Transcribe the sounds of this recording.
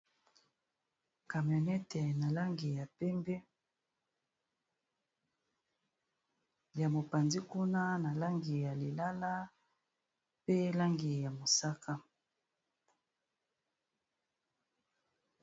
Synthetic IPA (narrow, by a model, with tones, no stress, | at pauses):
ka˨mjɔ˨nɛ˦tɛ˨na˨la˦ŋɡi˨ja˨pɛ˦mbɛ˦ | ja˨mo˨pa˨nzi˦ku˦na˦na˨la˦ŋɡi˨ja˨li˨la˦la˦ | pe˦la˦ŋɡi˨ja˨mo˨sa˦ka˦